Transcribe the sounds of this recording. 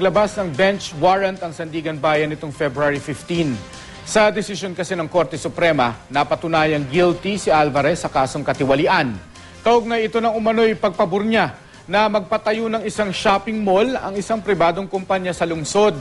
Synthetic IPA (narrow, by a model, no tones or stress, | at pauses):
ɐɡlɐbasnɐŋbɛnt͡ʃwaɹɐnt̪ɐŋsɐnd̪iːɡɐnbaːjɐnɪt̪o̞ŋfɛbɾʊaɾifɪft̪in | sɐd̪ɛsɪsjo̞nkɐsɛnɐŋko̞ɾt̪ɛsʊpɾɛmɐnɐpɐt̪ʊnaːjɐŋɡilt̪isɪʔalvɐɾɛsːɐkaːso̞ŋkɐt̪ɪwɐlɪʔan | t̪ɐʔoɡ̚nɐjɪt̪o̞nɐŋʊmɐno̞jpɐɡ̚pɐbʊɾɲa | nɐmɐɡ̚pɐt̪ɐjonɐŋɪsaŋʃaːpɪŋmo̞lɐ̰ŋɪsaŋpɾɪbaːd̪oŋkʊmpaɲːasɐlʊŋso̞d̪̚